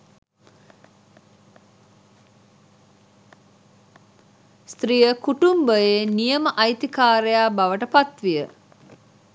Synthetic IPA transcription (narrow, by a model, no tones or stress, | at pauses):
st̪ɾijəkuʈumbəjeːnijəməʔɐjt̪ikaːɾejaːbaʋəʈəpat̪ʋijə